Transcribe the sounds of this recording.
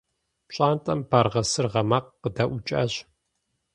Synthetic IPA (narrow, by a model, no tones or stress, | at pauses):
pɕʼaːntʼɐmbaːrʁɐsɨrʁɐmaːqːədɐʔʊt͡ʃʼa̰ːʑ